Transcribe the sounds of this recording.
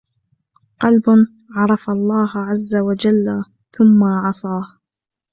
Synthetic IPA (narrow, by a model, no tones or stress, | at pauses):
qɑlbʊ | ʕɑɾˤɑfalˤːɑːɦʕazːawad͡ʒalːa | θʊmːaʕɑsˤɑːh